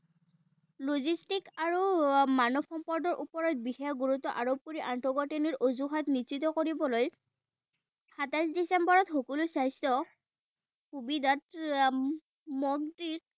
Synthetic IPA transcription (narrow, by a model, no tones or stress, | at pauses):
lozistikaɹumanɔb̚xɔmpɔɹdɔɹʔupɔɹɔt̚bixɛjɔɡuɹutːɔʔaɹob̚kuɹiʔantɔɡɔteniɹʔozuɦatnisitɔkoɹibɔloj | xatasdisembɔɹɔtxɔkulʊsajstɔ | xubidat | mɔɡ̚diɹ